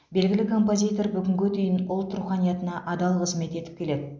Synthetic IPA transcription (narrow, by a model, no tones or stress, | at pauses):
be̞lɡʲɪlɪkʰo̞mpo̞zʲijt̪o̞rbʏɡʲɪŋɡʲɪd̪ʏjɪnʊlˠt̪ʰʊɾuqɑnijɑt̪ənɑʔɑd̪ɑlˠqʰəzme̞t̪e̞t̪ɪ̥p̚kʲʰe̞le̞d̪ɪ